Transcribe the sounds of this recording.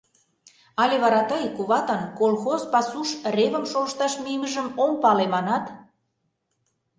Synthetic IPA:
ɑlʲeβɑɾɑt̪ɤjkuβɑt̪ənkolxozpɑsuʃreβə̆mʃolə̆ʃt̪ɑʃmiməʒə̆mompɑlemɑnɑt̪

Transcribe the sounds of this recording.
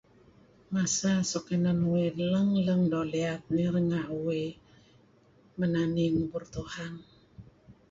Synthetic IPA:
masasokənanweləŋləŋdɔliat̪̚niɾəŋaʔuwe | mənaniŋburt̪uhan

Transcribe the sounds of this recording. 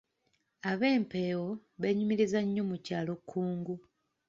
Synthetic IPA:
aβe̞ːmpe̞ːwo̞βeɲumiɾizaɲːo̞mucaːlo̞kʰːuːŋɡu

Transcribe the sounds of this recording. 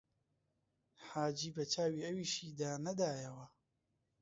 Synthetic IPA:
ħaːd͡ʒiːbɐt͡ʃaːwiːɐwiːʃiːd̪aːnɐd̪aːjɐwɐ

